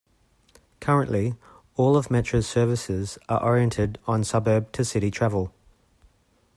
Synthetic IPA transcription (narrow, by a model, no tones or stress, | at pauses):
kʰʌɹə̃nʔlʔi | ɔːlˠəvmɛt͡ʃɹ̥ə̥sɜːvəsɪzə̰ʔɔɹiɛ̃ntʰɪdn̩sʌbɜːb̚tʰəsɪɾitʰɹ̥ævəlˠ